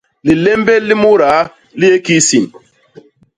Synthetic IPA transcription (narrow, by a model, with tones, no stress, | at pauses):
li˨lɛ˦mbɛ˦lːi˦mu˦ɾa˨˦ | li˦e˦ki˦si˨n